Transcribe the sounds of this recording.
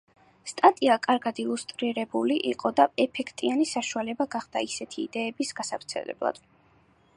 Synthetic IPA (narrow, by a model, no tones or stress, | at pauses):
st̪ʼat̪ʼiakʼaɾɡad̪ilˠust̪ʼɾiɾɛbuliʔiqʼɔd̪aɛpʰɛkʰt̪ʼianisaʃualɛbaɡaχd̪̥a̰isɛt̪ʰiːd̪ɛːbisɡasavɾt̪sʰɛ̰lɛ̰blˠa̰d̪̥